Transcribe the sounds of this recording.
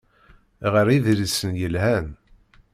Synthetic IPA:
ʁəɾiðɾisənjəlhæn

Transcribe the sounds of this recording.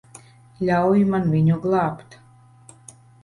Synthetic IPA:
lʲawjimanvʲiɲuɡlˠɑːpt̪

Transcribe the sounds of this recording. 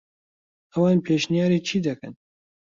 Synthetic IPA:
ʔɐwɑːnpʰeːʃnijaːɾiːt͡ʃʰiːd̪ɐkɨ̰n

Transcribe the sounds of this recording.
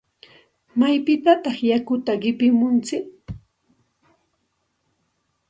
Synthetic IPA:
majpɪt̪at̪ɑχjakʊt̪aɢɪpɪmʊnt͡sɪk

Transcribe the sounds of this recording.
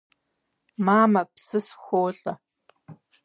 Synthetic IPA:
maːmɐpsɨsxʷoːɬʼɐ

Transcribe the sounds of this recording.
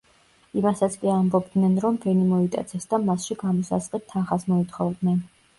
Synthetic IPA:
imasat̪sʰkʼiambɔbd̪nɛnɾɔmbɛnimɔit̪ʼa̰t̪sʰɛsd̪amasʃiɡamɔsa̰zqʼit̪ʰːanχasmɔit̪ʰχɔvd̪nɛn

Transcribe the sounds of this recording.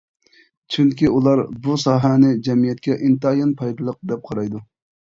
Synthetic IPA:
t͡ʃʰyŋkʲiulˠɑɾbusɑːɦɛnɪd͡ʒɛmijɛt̪̚kʲɛʔint̪ɨjɑnpʰɑjd̪ɨlˠəq̚d̪ɛp̚qʰɑɾɑjd̪u

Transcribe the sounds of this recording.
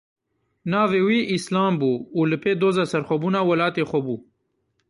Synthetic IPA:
naːvewiʔislaːmbuːləped̪ozasɐɾxobunawɐlaːt̪exobu

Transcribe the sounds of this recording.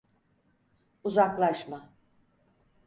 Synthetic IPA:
uzaklˠaʃma

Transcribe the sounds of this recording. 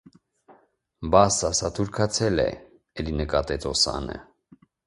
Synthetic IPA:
bɑsɑsɑt̪ʰuɾkʰɑt͡sʰɛlɛ̰ | ɛlinəkɑt̪ɛt̪ɔsɑ̰nə̰

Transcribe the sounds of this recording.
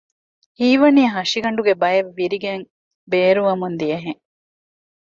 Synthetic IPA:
hiːʋɐniɐɦɐʃiɡɐɳɖuɡebɐjeʋːiɾiɡeŋ | beːɾuʋɐmund̪ijɐɦeŋ

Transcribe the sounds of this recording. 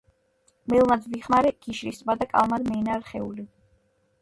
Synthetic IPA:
mɛlˠmad̪viχmaɾɛɡ̥iʃɾist̪ʼmad̪akʼa̰lˠmad̪mɛːnaɾχɛuli

